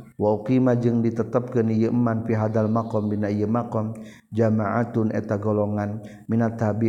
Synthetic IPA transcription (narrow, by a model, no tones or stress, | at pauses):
waukimad͡ʒɨŋdit̪ət̪əp̚kənijəʔmːanfiɦad̪almakɔmbinaijəmakɔm | d͡ʒamaʔat̪ʊnɛ̰t̪aɡolɔŋan | minat̪habi